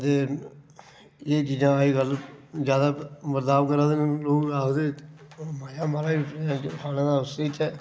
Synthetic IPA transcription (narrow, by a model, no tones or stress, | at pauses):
t̪eː | eːt͡ʃiːd͡ʒãːaːiːɡəlzjaːd̪aːbəɾd̪aːʋkəɾãːd̪enloːuaːkd̪eː | maːjaːmaːɾaːãːkʰaːnãːd̪aːʊsit͡ʃɛː